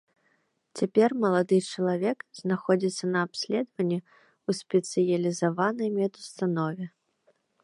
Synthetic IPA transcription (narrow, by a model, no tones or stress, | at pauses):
t͡sʲapʲɛrmɐlˠad̪ɨt͡ʂɐlˠavʲɛkznaxɔd͡zʲit̪sːɐnɐːpsʲlʲɛd̪vɐnʲːɛ | usʲpʲɛt̪sɨjɐlʲizavanɐjmʲɛd̪ust̪anɔvʲɛ